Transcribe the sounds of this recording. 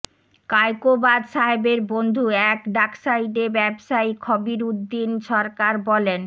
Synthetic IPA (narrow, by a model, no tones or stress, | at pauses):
kajkobad̪ʃaɦebeɾbond̪ʱuɛkɖaksaiɖebɛbʃajkʰɔbiɾud̪ːinʃɔɾkaɾbɔlen